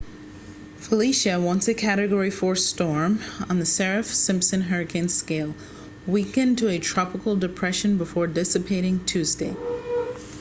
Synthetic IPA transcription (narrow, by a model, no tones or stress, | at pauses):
fəliʃɨwʌ̃ntsɨkʰæɾɨɡɔɹifɔɹstɔɹmə̰̃nðɨsɛɹɨfsɪ̃mpsɨ̃nɦɜ˞ɨkʰɨ̃nskeɪlˠ | wikɨ̃ntʰɨɨtʰɹ̥ɑpəkl̩ˠdɨpʰɹ̥ɛʃɨ̃nbəfɔɹdɪsɨpʰeɪɾɪ̃ŋtʰʉzdeɪ